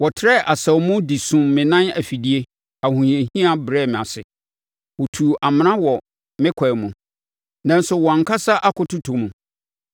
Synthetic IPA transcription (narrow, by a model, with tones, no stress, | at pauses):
wɔ˨tʰɾɛ˦ʔa˨sa˨wmũ˦di˨sũ˨mmːɪ̃˨nã˦næ̰˨fi˨di˦e˦ | a˨hũ˨ĩ˨ã˨ɦĩ˦a˨bɾɛ˦˨mɪ̃˨a˨sɪ˨ | wɔ˨tʰu˨ʔa˨mɪ̃˨nã˦wɔ˨ | mɪ̃˦kʷʰa˨mũ˨ | nã˦n˦sʊ˨wɔ̃˨ŋ̩˨kʰa˦sa˦ʔa˦kʊ˨tʰʊ˦tʰʊ˨mũ˨